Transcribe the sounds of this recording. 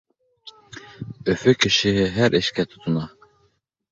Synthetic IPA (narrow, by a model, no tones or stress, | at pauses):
øfykʰiʃiɦiɦæɾʔiʃkʰʲɛt̪ʰu̥t̪ʰunɑ